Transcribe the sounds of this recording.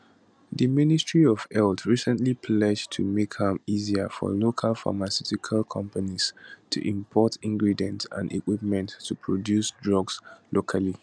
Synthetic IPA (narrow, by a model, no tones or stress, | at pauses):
ðəmɪnɪstɹiɔvɛltʰɹisə̃ntlipʰlɛd͡ʒtʰumekhãmiziəfɔ̰lokʰalfa̰masutikʰalkʰʌ̃mpanistʰṵʔĩmpʰɔtʰĩŋɡɹidiə̃ntã̰ndḭkwipmɛ̃ntʰːupʰɹodjusdɹɔɡslokʰali